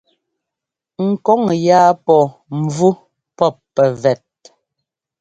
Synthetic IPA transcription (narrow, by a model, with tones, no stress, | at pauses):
ŋ̩˨kɔ˦ŋjaː˦pɔ˨m̩˨vu˦ | pɔ˦˨pːɛ˨vɛ˨t̚